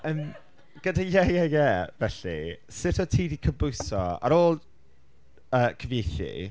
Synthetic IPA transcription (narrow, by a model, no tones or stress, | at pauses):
əm | ɡ̥ədajɛjɛjɛvɛɬḭsɪtʰɔtʰiːdikʰəbʊjsɔ̰a̰ɾoːlˠ | əːkʰəvjejθḭ